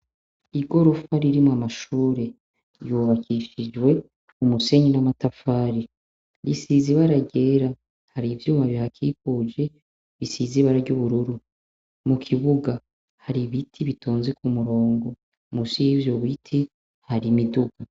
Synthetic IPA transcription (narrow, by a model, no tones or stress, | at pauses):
iɡo̞ɾo̞faɾiɾimoamaʃuːɾe̞ | juβakiʃid͡ʒwe̞ | umuse̞ɲinamatafaːɾi | ɾisiziβaɾaɟe̞ːɾa | haɾivjuːmaβihakʰikud͡ʒe̞ | βisiziβaɾaɾɟuβuɾuɾu | mukʰiβuɡa | haɾiβitʰiβitʰoːnzekumuɾo̞ːŋɡo̞ | musiivjoβitʰi | haɾimiduɡa